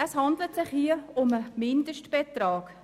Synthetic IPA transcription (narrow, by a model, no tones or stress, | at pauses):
əshɑndlətsɪχhiəʊməmɪndəʃtb̥ɛt̪rɑːk